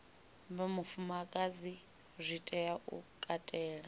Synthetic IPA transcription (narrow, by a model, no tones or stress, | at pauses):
bamufumakʼazi | zʷitʼɛjaʔṵkʼatʼɛːɺa